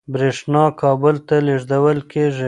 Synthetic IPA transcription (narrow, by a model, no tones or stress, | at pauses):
bɾeʂnɑkʰɑbʊlt̪aleʐd̪awəlkʰeʐi